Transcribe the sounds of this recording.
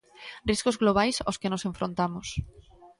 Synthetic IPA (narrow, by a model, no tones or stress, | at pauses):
riskozɣloβ̞ajsa̰skenosẽɱfɾont̪amos